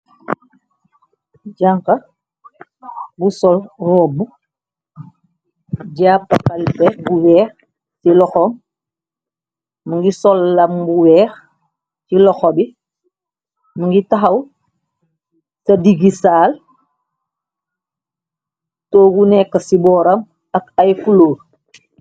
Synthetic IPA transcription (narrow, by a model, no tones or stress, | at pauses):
ɟaŋka | busɔlɾɔbu | ɟaːpːakalpɛbuwɛːx | silɔxɔm | muŋɡisɔlːambuwɛːx | tilɔxobi | maŋɡitaɦɐw | sɐdiɡisaːl | toːɡunɛkːɐsibɔːɾɐm | akajfuloːɾ